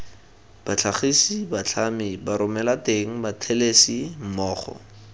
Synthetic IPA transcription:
b̥at͡ɬʰaχisibat͡ɬʰamɪbaɾʊmɛlateŋ̩batʰelesim̩mɔːχɔ̰

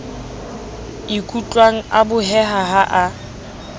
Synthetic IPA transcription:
ɪkʰʼut͡ɬʼwaŋ̩abʊɦɛɦaɦaʔa

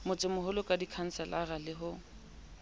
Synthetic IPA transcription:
mʊt͡sʼɪmʊɦʊlʊkʼadikʰan̩sɛlaralɪɦʊ

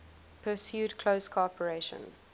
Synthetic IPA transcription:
pʰəsjuːdkʰloʊskʰɔpʰəɹeʃə̰̃n

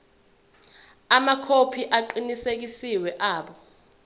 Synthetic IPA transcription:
amakʰopʰiʔaǃinisek̬isiwɛʔaːɓɔ

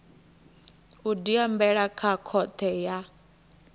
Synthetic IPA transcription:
udiambɛɺakʰakʰɔt̪ʰɛja

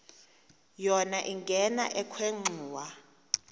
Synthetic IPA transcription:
jɔnaʔiŋɡʱɛna̰ʔɛkʰweŋ͡ǃʱuːwa

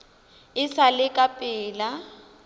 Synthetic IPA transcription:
ɪsalɪkʼapʼɪːla

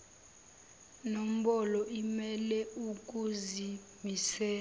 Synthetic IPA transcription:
nom̩ɓɔlɔʔimɛlɛuk̬ʼuzi | misɛː

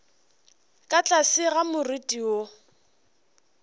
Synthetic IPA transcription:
kʼat͡ɬʼasɪɣamʊritʼio

